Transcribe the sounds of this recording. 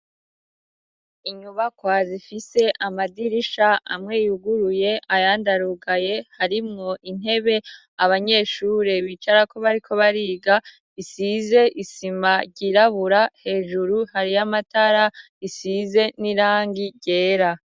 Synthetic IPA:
iɲuβakwazifise̞ʔamadiɾiʃaa̰mŋe̞juɡuɾuje̞ajaːndaɾuɡaje̞haɾimŋo̞ʔin̥he̞βe̞ | aβaɲe̞ːʃuːɾe̞βit͡ʃaɾako̞βaɾikʰo̞βaɾiːɡa | isize̞ʔisimaɟiɾaβuɾahe̞ːʒuɾuhaɾijamataɾa | isize̞niɾaːŋɡiɟe̞ːɾa

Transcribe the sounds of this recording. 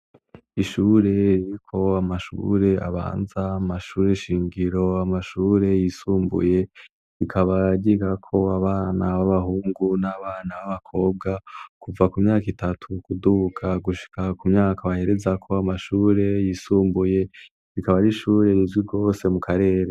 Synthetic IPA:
iʃuːɾe̞ɾiɾikʰo̞amaʃṵɾe̞a̰βa̰ːnzaamaʃuːɾeʃiːŋɡiɾo̞amaʃuːɾe̞jisuːmbṵje̞ | ɾikʰaβaɟiɡakʰo̞aβaːnawaβaɦuːŋɡunaβaːnawaβakʰo̞ːb̚ɡakuvakumɲaːkitatʰukudukʰaɡuʃi̥kʰakumɲaːkʰaβahe̞ɾe̞zakʰo̞amaʃuːɾe̞jisuːmbuje̞ | ɾikaβaɾiʃuːɾe̞ɾizwiɡo̞ːse̞mukaɾe̞ːɾe̞

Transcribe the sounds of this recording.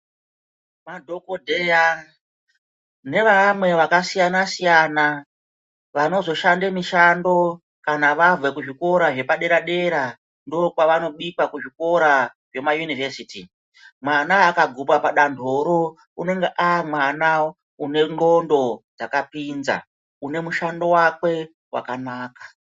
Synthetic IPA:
madʱo̞kodʱeja | ne̞ʋamwe̞ʋakasijanasijana | ʋano̞zo̞ʃandemiʃando̞ | kanaʋavekuʐiko̞ɾaʐe̞paɗe̞ɾaɗe̞ɾa | ndokwaʋano̞ɓikwakuʐiko̞ɾaʐe̞majunivesiti | mwanaːkaɡʱupapaɗandʱoɾo̞ | une̞ŋɡeʔamwana | une̞ŋo̞ndo̞d͡zakapinza̰ | une̞muʃando̞wakwe̞ | wa̰kanaːkḁ

